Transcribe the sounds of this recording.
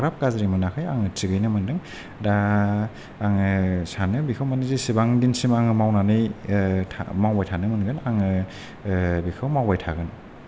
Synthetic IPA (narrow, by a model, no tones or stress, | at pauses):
ɡɾap̚kazɾimɯnakʰɯjaŋɯtiɡɯjnɯmɯndɯŋ | daː | ŋɯsanɯbikʰɯwmanɯzisibaŋdinsimaŋɯmawnanɯjtʰa̰mawbajtʰanɯmɯnɡɯnaŋɯ | bikʰɯwmawbajtʰaɡɯn